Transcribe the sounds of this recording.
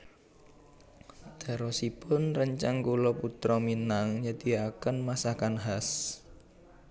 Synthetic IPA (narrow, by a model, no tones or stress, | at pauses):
d̪̥a̤ɾɔsipʊnrəɲt͡ʃaŋkulɔput̪ɾɔminaŋjəd̪̥iakənmasakanɦas